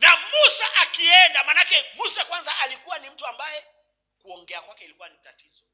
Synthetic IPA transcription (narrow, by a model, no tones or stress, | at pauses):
namusaʔakiɛndamanakɛmusakwanzaalikuwanim̩tuambajɛ | kuɔŋɡɛakwakɛilikuwanitatizɔ